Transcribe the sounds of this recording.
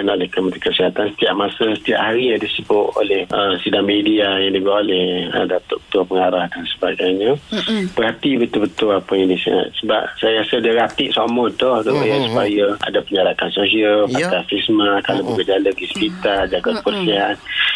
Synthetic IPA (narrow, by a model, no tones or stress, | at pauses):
nolɛhkəmət̪ikəsiɦat̪ansə̥t̪iaʔ̚masəsə̥t̪ia̰ʔɦaɾijadisəbʊʔ̪o̰lɛhʔəsidaŋmediajaŋdibəwaʔolɛhə̰dat̪ʊ̰ʔbə̥t̪uapəŋaɾahdansəbaɡajɲəb̥ərɦhat̪ibət̪ʊlbət̪ʊlapəjaŋdisə̰ŋa̰t̪̚səba̰p̚sajasədiəɾat̪ɪʔsamɔt̪ɔhdoʔʔajasupajəa̰dapəɲaɾakansosialpak̪afismakalobəɡəd͡ʒaləɡisə̥pit̪ad͡ʒaɡaʔ̪pərsiɦat̪̚